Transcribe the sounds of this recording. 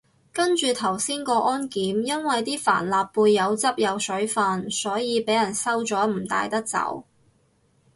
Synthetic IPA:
kɐ˥nt͡ʃyː˨t̪ʰɐ˨˩wsiː˥nkɔː˧ʔɔː˥nkiː˨˥mjɐ˥nwɐ˨jt̪iː˥fa̰ː˨˩nlaː˨pːuː˧jːɐ˨˧wt͡sɐ˥p̚jɐ˨˧wsɵ˨˥ɥfaː˧nsɔː˨˥jiː˨˧pe˨˥jɐ˨˩nsɐ˥wt͡sɔː˨˥m̩˨˩t̪a̰ː˧jt̪ɐ˥k̚t͡sɐ̰˨˥w

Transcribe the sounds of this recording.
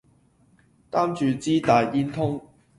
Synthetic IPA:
t̪aː˥mt͡ʃyː˨˧t͡siː˥t̪aː˨˧ji˥nt̪ʰʊ˥ŋ

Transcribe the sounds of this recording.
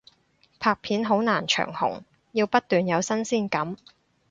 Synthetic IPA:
pʰaː˧k̚pʰiː˨˥nɦo˨˥wnaː˨˩nt͡ʃʰœ̰ː˨˩ŋhʊ̰˨˩ŋ | jiː˧wpɐ˥t̚t̪yː˨njɐ˨˧wsɐ˥nsiː˥˩nkɐ˨˥m

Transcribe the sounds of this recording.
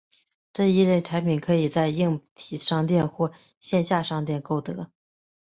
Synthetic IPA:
ʈ͡ʂɤ˥˧i˥˧ɻə˧˥˩nʈ͡ʂʰa˧˥ɪpʰi˨˩nkʰɤ˧˥i˨˩t͡sa˥˧ɪi˥˩ŋt̪ʰi˨˩ʂɑ˥˧ŋt̪jɛ˥˧nxwɔ˥˩ | ɕjɛ˥˧nɕja˥˧ʂɑ˥˧ŋt̪jɛ˥˧nko˥˩ʊt̪ɤ˧˥

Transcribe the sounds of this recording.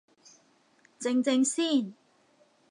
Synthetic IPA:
t͡sɪ˧ŋt͡sɪ˧ŋsiː˥˩n

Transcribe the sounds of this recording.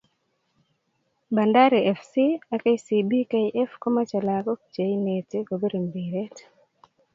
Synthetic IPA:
banda˦ɾiɛ˨fsi˦a˨ka˦jsibi˦kajʔɛ˦fko˦mat͡ʃalakɔ˦k̚t͡ʃe˨inete˦kobe˦ɾi˨mbiɾe˦t

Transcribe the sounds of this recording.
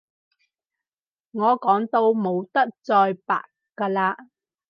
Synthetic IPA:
ŋɔː˨˧kɔː˨˥ŋt̪o˧wmo˨˧wt̪ɐ˥k̚t͡sɔː˧jpa̰ː˨t | kːaː˧laː˧

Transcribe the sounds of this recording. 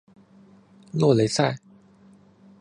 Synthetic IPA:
lwɔ˥˩le˧˥ɪsa˥˩ɪ

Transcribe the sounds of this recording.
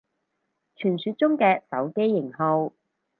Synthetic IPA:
t͡ʃʰyː˨˩nsyː˨˧˥t̚t͡sʊ˥ŋkɛː˧sɐ˨˥wke˥jːɪ˨˩ŋho˨˧w

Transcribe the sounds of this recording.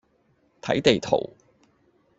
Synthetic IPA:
t̪ʰɐ̰˨˥jt̪e˨jt̪ʰo̰˨˩w

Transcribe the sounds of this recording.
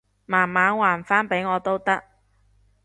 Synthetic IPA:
maː˨˩nmaː˨˧nwaː˨˩nfaː˥npe˨˥jŋɔː˨˧t̪o˥wt̪ɐ˥k̚

